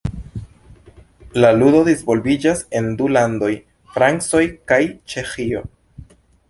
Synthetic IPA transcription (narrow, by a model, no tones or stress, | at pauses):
laludo̞dizvo̞lbid͡ʒase̞ndulando̞j | fɾant͡so̞jkajt͡ʃe̞xio̞̰